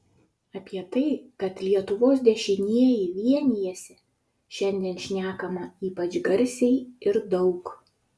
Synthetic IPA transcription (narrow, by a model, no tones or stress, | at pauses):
ɐpʲiɛt̪ɐɪkɐt̪lʲiɛt̪ʊʋoːs̬d̪ʲɛʃʲɪnʲiɛjɪʋʲiɛnʲiɛsʲɛ | ʃʲɛnʲd̪ʲiɛnʃʲnʲæːkɐmɐiːpɐt͡ʃɡɐɾʲsʲɛɪɪɾd̪ɒʊk